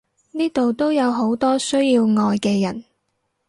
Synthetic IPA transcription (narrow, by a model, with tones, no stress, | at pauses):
niː˥t̪o˨wt̪o˥wjɐ˨˧wɦo˨˥wt̪ɔː˥sɵ˥ɥjiː˧wŋɔː˧jkɛː˧jɐ̰˨˩n